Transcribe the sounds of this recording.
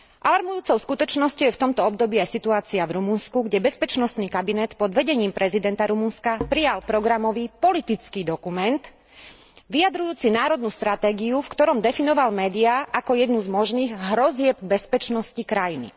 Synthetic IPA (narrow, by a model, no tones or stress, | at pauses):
ʔalaɾmujuːt͡sɔʊskut̪ɔt͡ʃnɔscɔʊjɛft̪ɔmt̪ɔɔb̚d̪ɔbiajsit̪uaːt͡siavɾumunskuɡɟɛbɛspɛt͡ʃnɔst̪niːkabinɛt̪pɔd̪ʋɛɟɛɲiːmpɾʔɛzid̪ɛnt̪aɾumunskapɾijalpɾɔɡɾamɔʋiːpɔlit̪it͡skiːd̪ɔkumɛnt̪ | ʋijad̪ɾujuːt͡sinaːɾɔd̪nust̪ɾat̪ɛːɡiufkt̪ɔɾɔmd̪ɛfinɔʋalmɛːd̪iaʔakɔjɛd̪nuzmɔʒniːɣɦɾɔzɪɛb̚bɛspɛt͡ʃnɔscikɾajinḭ